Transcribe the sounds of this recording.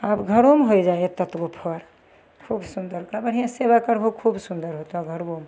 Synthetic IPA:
apɡʱəɾomɦojd͡ʒaet̪ət̪ɡopʰəɾ | kʰubsund̪əɾkabəɽ̤ijãsebakəɾbʱokʰubsund̪əɾɦot̪oaɡʱəɾbom

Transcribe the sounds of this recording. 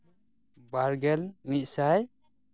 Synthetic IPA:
baɾɡɛlmit̪̚ˀsaj

